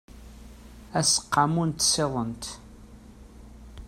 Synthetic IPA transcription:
æsə̥qːɑmunt̪ːseðˤənt̪

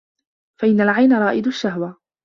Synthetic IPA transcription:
faʔɪnːalʕajnaɾˤɑːʔɪd̪ʊʃːaɦwa

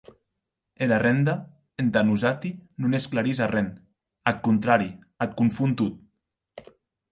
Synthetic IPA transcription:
elarɛnd̪a | end̪anuzat̪inunesklaɾizarɛn | at̪̚kunt̪ɾaɾi | at̪̚kuɱfunt̪ut̪̚

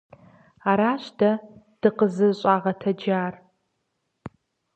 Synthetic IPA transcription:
aːɾaːɕtʰɐd̥ɨqəzɨɕʼaːʁɐtʰɐd͡ʒaːr

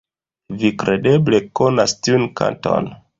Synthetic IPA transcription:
vikɾe̞de̞ble̞ko̞nastiunka̰nto̞̰n

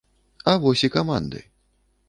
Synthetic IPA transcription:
ɐvɔsʲikama̰nd̪ɨ̰j

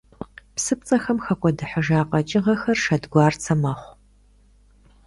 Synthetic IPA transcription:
psɨp̚t͡sʼɐxɐmxɐkʷʼɔdɨħəʒaːqʼɐt͡ʃʼɪʁɐxɐrʃɐdɡʷɑːrt͡sʰɐmɐχʷ

